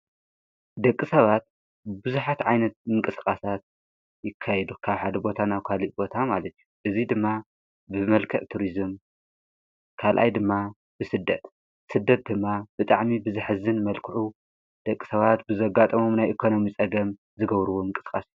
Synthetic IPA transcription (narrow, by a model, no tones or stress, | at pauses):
d̪ɐkʼːisɐβat̪̚ | bɨzuħat̪ʕajnɐt̪̚ɨŋkʼɨskʼasat̪̚ | jɪkʰːajɛd̪ukʰaβħad̪ɐbo̞t̪ʰanaβkʰaliʔbo̞t̪ʰamalɐt̪ʰjuʔɨzid̪ɨmːa | bɨmɐlkʰɐʔt̪ʰuɾizɨm | kʰalʔa̰jd̪ɨmːa | b̥ɨsɨd̪ːɐt̪ | sɨd̪ːɐt̪̚d̪ɨmːabɨt̪ʼaʕmibɨzɨħɨzɨnmɐlkʰɨʕu | d̪̥ɐkʼːi̥sɐβat̪bɨzɐɡat̪ʼɐmo̞mnajʔikʰo̞no̞mit͡sʼɐɡɐm | zɨɡɐβɾɨwoɨŋkʼɨskʼasij